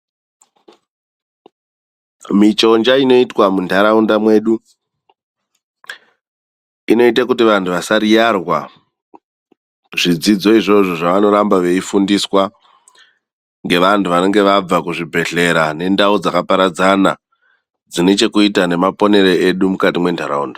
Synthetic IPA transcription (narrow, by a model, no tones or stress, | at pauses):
mit͡ʃo̞nd͡ʒaino̞itwamundaɾaundamwe̞ːɗu | ino̞itakutiʋantʰuʋasaɾijarwa | ʐid͡zid͡zo̞iʐo̞ʐoʐaʋano̞ɾambaʋe̞ifundiswa | ŋɡe̞ʋantʰuʋane̞ŋɡe̞ʋab͡vakuʐibʱe̞ɮe̞ɾane̞ndaud͡zakapaɾad͡zana | d͡zine̞t͡ʃe̞kuitane̞mapo̞ne̞ɾeeɗumukatimwe̞ntaɾauːnda